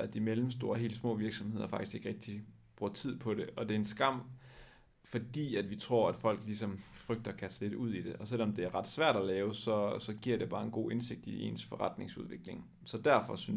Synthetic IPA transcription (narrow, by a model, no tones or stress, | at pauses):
æd̥imelm̩sd̥o̝ːɐɦe̝̰ːl̥əsmɔ̰̽ːʋiɐɡ̥sɒ̽mhe̝ð̞̰ˠɐfɑ̈ɡ̥d̥isɡ̥e̝ɡ̥ʁeɡ̥̚d̥i | b̥ʁuɐt͡sʰið̰ˠpʰɒ̽ɾe̝ʔɒ̽d̥e̝ensɡ̥ɑ̈m̰ | fɒ̽d̥ḭːæd̥ʋit͡sʰʁo̝ɐ̰æd̥fɒ̽l̰ɡ̥lisɒ̽mfʁœɡ̥̚d̥ɐːkʰæsle̝d̥uð̞̰ˠid̥e̝ʔɒ̽sel̰ɒ̽md̥e̝æɐʁɑ̈d̥sʋæɐ̰ɾ̥ɒlɛːʊsɒ̽sɒ̽ɡ̥iɐde̝b̥ɑ̈ːe̝nɡ̥o̝̰ːʔe̝nse̝ɡ̥̚d̥ie̝̰ːnsfɒʁɑd̥ne̝ŋsuð̞ˠʋe̝ɡ̥le̝ŋ | sɒ̽d̥æɐfɒ̽syn